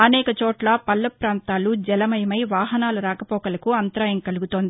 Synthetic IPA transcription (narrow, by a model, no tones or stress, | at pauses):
ɐnɛːkɐt͡ʃɔːʈlɐpɐlːɐpɾaːnt̪aːlud͡ʒɛlɐmɐjɐmɐjʋaːɦɐnaːluɾaːkɐpɔːkɐlɐkuɐnt̪ɾaːjɐŋkɐluɡut̪oːnd̪ii